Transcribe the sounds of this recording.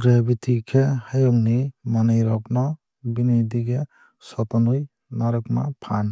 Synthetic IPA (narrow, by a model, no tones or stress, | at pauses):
ɡɾebit̪ʰikʰɛhajɔŋnimanɯjɾɔp̚nɔ | binid̪iɡɛ | sɔt̪ɔnuj | naɾɯkma̰pʰan